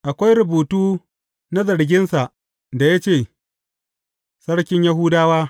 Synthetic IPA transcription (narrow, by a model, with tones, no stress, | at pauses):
ʔa˨kʷa˦jɾʊ˨buː˨tuː˦ | na˦zɐ˨ɽɡʲɪ˦nsa˨ʔ | da˨ja˦t͡ʃeː˦˨ | sɐ˦ɽkʲɪ˦ɲja˦ɦʊ˦daː˦waː˦